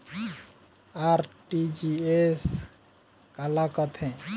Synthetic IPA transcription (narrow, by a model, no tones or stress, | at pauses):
aɾʈid͡ʒies | kalakət̪ʰɛ̃